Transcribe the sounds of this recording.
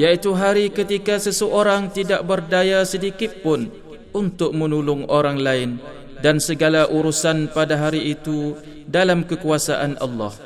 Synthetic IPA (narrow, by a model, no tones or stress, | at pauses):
jait̪uɦaɾikət̪ikasəsəʔoɾaŋt̪idaʔ̚bərdajasədikɪt̪̚pʊn | unt̪ʊk̚mənulʊŋoɾaŋlaɪn | dansəɡalaʔuɾusanpadaɦaɾiːt̪u | dalamkəkuasa̰ʔanʔɑ̰lːɑ̰h